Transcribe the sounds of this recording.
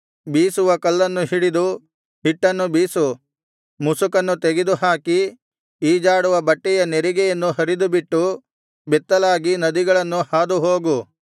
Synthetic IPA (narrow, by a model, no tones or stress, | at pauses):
biːsuʋɐkɐlːɐnːuɦiɽid̪u | hiʈːɐnːubiːsu | musukɐnːut̪eɡid̪uɦaːki | iːd͡ʒaːɽuʋɐbɐʈːɛjɐneɾiɡɛjɐnːuɦɐɾid̪ubiʈːu | bɛt̪ːɐlaːɡinɐd̪iɡɐɭɐnːuhaːd̪uɦoːɡu